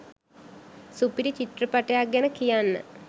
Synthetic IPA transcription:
supiɾit͡ɕit̪rəpaʈejak̚ɡɛnəkijanːə̰

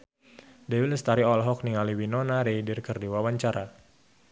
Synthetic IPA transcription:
dɛwiləst̪aɾiɔlɦɔkniŋaliwinɔnaɾeidirkərdiwawaɲt͡ʃaɾa

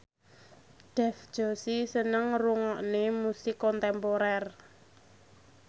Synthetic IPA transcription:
ɖ̥ɛ̤fd̥ʒ̥o̤sisənəŋruŋɔʔnemusikɔnt̪ɛmpoɾɛr

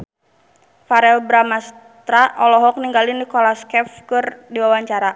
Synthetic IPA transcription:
faɾɛlbɾamas | t̪ɾaʔɔlɔɦɔk̚niŋɡalinikɔlaskɛfkɨrdiwawaɲt͡ʃaɾa

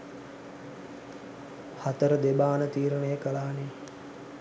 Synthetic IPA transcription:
hat̪əɾəd̪ebaːnət̪iːɾənəjəkəlaːne

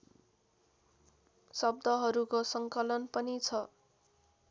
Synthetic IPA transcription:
sʌbd̪ʌɦʌɾukosʌŋkʌlʌnpʌnit͡sʰʌ

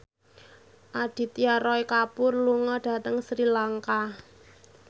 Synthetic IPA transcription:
ʔad̥i̤t̪jaɾɔikapʊrluŋɔɖ̥a̤t̪əŋsɾilaŋka

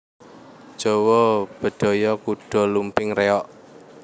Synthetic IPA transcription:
d̥ʒ̥ɔwɔb̥ə̤d̪̥ɔ̤jɔkuɖ̥ɔ̤lumpɪŋreɔʔ

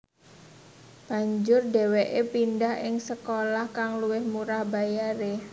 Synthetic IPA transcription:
b̥a̤ɲd͡ʒʊrɖewɛʔepindahʔɪŋsəkolahkaŋluwɪhmuɾahbajaɾe

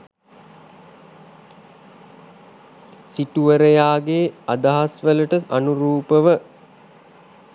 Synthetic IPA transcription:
siʈuəɾəjaːɡeːad̪aɦasʋələʈəanuɾuːpəʋə

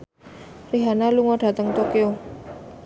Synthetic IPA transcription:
riɦanaluŋoɖ̥ä̤t̪əŋt̪okeo

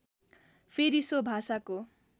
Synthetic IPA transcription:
pʰeɾisobʱasako

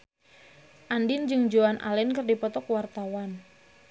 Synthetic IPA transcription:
ʔandɪnd͡ʒɨŋd͡ʒoanʔa̰lɛnkɨrdipɔt̪ɔkwart̪awan

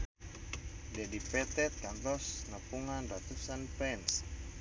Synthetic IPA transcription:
dɛdipɛt̪ɛt̪̚kant̪ɔsnəpuŋanrat̪usanpɛns

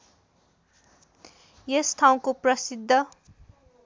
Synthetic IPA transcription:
jest̪ʰaw̃koprʌsid̪ʱːʌ

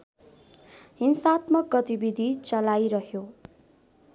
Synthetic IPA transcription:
ɦinsat̪mʌk̚ɡʌt̪ibid̪ʱit͡sʌlajɾʌɦjo

